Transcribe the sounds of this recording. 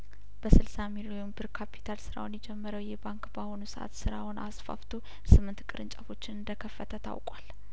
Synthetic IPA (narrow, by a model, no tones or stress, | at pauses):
b̥əsɨlsamilojonbɨɾkʰapʰi̥t̪ʰalsɨɾa̰wnjɛd͡ʒɛmːəɾəwjɛbaŋkbaho̞nusəʔa̰t̪sɨɾawʊnʔa̰sfa̰ft̪ʰo | sɨmːɨnt̪kʼɨɾɨ̰nt͡ʃʼafo̞t͡ʃːɪnɨnd̪əkʰəfːət̪ʰət̪ʰa̰wkʼwal